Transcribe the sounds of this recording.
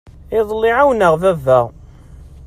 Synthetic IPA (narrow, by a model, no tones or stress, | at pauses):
ɪðˤlːiʕawnəʁvævːæ